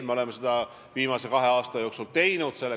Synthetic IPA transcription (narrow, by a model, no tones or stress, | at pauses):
me̞o̞le̞mːesed̪̥ɑ | viːmɑse̞kɑɦe̞ɑːst̪ɑjo̞ːksult̪e̞jnud̪̥se̞lːe